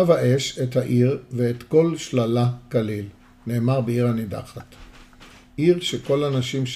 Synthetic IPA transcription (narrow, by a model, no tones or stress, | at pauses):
avhaʔe̞ʃethaʔiʁveːt̪ko̞lʃlalakalil | ne̞ːmaʁbeiʁhanida̰χat | ʔiʁʃeko̞lanaʃimʃ